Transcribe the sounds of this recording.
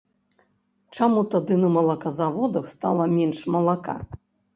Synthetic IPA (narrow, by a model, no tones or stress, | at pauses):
t͡ʂamut̪ad̪ɨnɐmɐlˠakazavɔd̪ɐxst̪a̰lˠɐmʲɛnʂmɐlˠaka̰